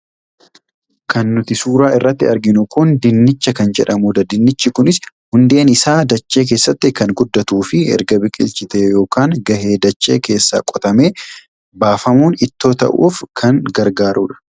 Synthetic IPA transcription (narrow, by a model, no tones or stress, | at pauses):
kʰɐnːʊt̪ɪsuːɾaːɪrːɐt̪ːɪɐɾɡɪnʊkʊnd̪ɪnːɪt͡ʃːɐkɐnd͡ʒɛ̰ᶑɐmuːd̪ɐd̪ɪnːɪt͡ʃːɪkʊnɪs | hʊnd̪e̞ːnɪsaːd̪ɐt͡ʃːe̞ːk̬e̞ːsːɐt̪ːɪkɐŋɡʊd̪ːɐt̪uːfɪɛ̰ɾɡɐbɪkʼɪ̰lt͡ʃɪt̪eːjo̞ːkaːŋɡɐɦe̞ːd̪ɐt͡ʃːe̞ːkʰe̞ːsːa̰ːkʼɔt̪ɐme̞ː | baːfɐmuːnɪt̪ːo̞ːt̪ɐ̰ʔṵːfkʰɐnɡɐɾɡaːɾʔuːᶑɐ̥